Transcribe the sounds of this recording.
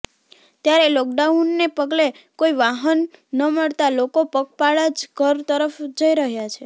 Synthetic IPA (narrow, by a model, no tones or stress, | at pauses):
t̪jaɾeloɡ̚ɖaunːepəɡle | koiʋaɦənːəməɭt̪alokopək̚paɭad͡ʒɡʱəɾt̪əɾəfd͡ʒəiɾəɦjat͡ʃʰe